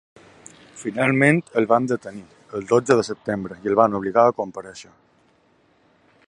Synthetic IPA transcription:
finalˠmẽnt̪əlˠβand̪ət̪əni | əlˠd̪od͡zəðəsəp̚t̪embɾəiəlˠβanuβ̞liɣaəkompəɾəʃə

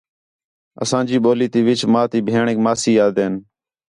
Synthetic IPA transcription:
ə̰sãːd͡ʒiːɓoːliːt̪iːʋɪt͡ʃmaːt̪iːbʱeːɳeːkmaːsiːjaːd̪eːn

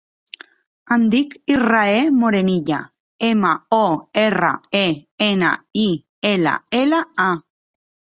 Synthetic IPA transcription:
and̪ikiraemoɾeniʎa̰ | emaoera̰eena̰i | ela̰elaa

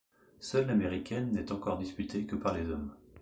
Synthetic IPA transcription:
sœlːameʁikʲɛnːɛt̪ɑ̃kɔʁd̪ispyt̪ʰekəpaʁlezɔm

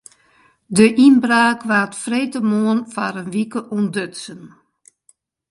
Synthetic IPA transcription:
dəʔinbraːkʋaːtfreːtəmoənfaɾənʋikəʔundøtsən

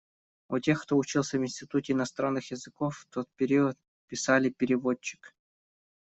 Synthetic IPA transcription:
utʲe̞xkt̪o̞ʊt͡ɕilˠsʲəvɪnʲsʲtʲɪt̪utʲɪɪnɐst̪ɾanːɨxjɪzɨkofːt̪o̞t̪̚pʲɪɾʲiət̪̚ | pʲɪsalʲɪpʲɪɾʲɪvo̞t͡ɕːɪ̥k

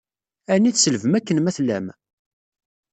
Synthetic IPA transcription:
ænːiθsəlvəmækːənmæθlæm

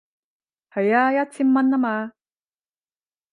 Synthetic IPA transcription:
hajajat͡sʰimːanːama

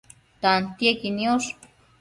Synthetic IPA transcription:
t̪ant̪jekinioʃ

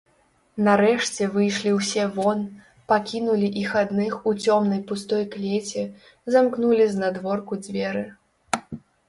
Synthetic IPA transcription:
nɐɾɛʂt͡sʲɛvɨjʂlʲiwsʲɛvɔn | pakʲinulʲiʔixad̪nɨxut͡sʲɔmn̪ɐjpust̪ɔjklʲet͡sʲɛ | zamknulʲiznɐd̪vɔrkud͡zʲvʲɛɾɨ

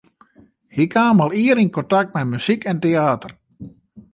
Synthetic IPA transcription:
hikʰaːmalˠiəɾinkɔntak̚t̚mɛmysikʰɛnteaːtər

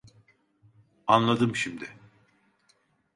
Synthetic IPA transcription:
anlˠad̪ɯmʃimd̪ɪ

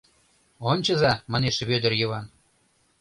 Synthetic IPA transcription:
onʲt͡ɕɤ̆zɑmɑneʃβød̪ə̆rjɤ̆βɑn

